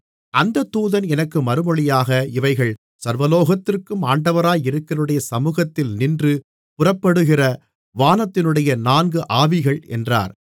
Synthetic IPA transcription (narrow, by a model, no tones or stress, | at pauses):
ʔɐnd̪ɐt̪ːuːðɐnɛnɐkːɯmɐɾɯmɔɭɪjaːɣɐɪʋɐɪɣɐɭ | sɐɾʋɐloːɣɐt̪ːɪrkɯmaːɳɖɐʋɐɾaːjɪɾɯkːɐɾɐɯɽɐjɐsɐmuːɣɐt̪ːɪlnɪndrɯ | pʊrɐpːɐɽɯɣɪrɐ | ʋaːnɐt̪ːɪnɯɽɐjɐnaːnɡɯʔaːʋɪɣɐɭɛ̰ndra̰ːɾ